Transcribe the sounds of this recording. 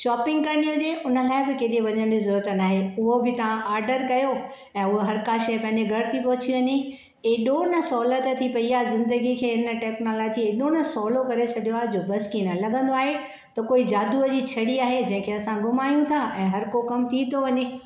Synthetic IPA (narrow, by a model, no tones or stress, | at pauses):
ʃɔːpɪ̃ŋɡ̚kɐnijõd͡ʑeːʔʊnə̆laːɪbɪkeːɗeʋɐɲə̃ɳd̪izʊɾuɾt̪ənaːɦeʊɦobɪt̪ɐʋãʔaːɾɖəɾkɐjo | ɛ̃ːʊɦoɦɐɾkãʃɐpɐ̃ɦɪ̃ɲd͡ʑeɡʱɐɽt̪ipɔɦʊt͡ɕʰiʋɐɲe | eɗõːnɐ̆sɔːlət̪ət̪ʰipɐiaːzɪ̃nd̪əɡikʰeːɪnə̆ʈɛːknoːlɔːd͡ʑieɗõːnəsɔːlokɐɾet͡ɕʰɐɗijoaːɦed͡ʑoːbɐskiːnəlɐɡə̃nd̪oaːɦe | t̪ɐkoːid͡ʑaːd̪uəd͡ʑit͡ɕʰɐɽiaːɦed͡ʑɐ̃ɦɪ̃kʰeɐsãɡʊmaːjũt̪ʰaʔɛ̃ːɦɐɾkokɐmt̪ʰit̪ʰoʋɐɲeː